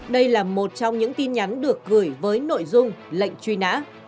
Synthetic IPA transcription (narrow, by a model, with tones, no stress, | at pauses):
ɗə˧jlaː˨˩mo˨˩t̚t͡ɕɔ˧wŋ͡mɲɨ̰˧˥ŋt̪i˧nɲa˨˦nɗɨ˨˩ək̚ːɨ˨˧˩əjvəː˨˦jno̰˧˨jzʊ˧ŋ͡mlə̰˧˨jŋ̟t͡ɕwi˧na̰ː˧˥